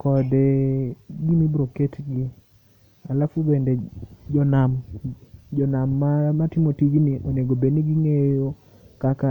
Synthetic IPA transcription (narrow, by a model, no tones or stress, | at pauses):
kɔdɛɡimibɾoketɡi | alafubended͡ʒɔnam | d͡ʒɔnamːamatɪmotiɡniʔoneɡobeniɡiŋejo | kaka